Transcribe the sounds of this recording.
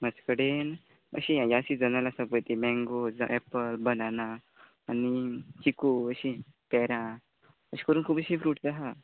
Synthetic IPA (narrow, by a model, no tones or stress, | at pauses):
məd͡zkəɽen | ə̰ɕĩajaəɕid͡zənalasapət̪imɛ̃ŋɡod͡za̰ʔɛpəlbənanaː | nit͡ɕikoəɕĩ | pɛɾã | əɕi̥kəɾuːnkʰuːpəɕĩfɾuːʈd͡zaɦa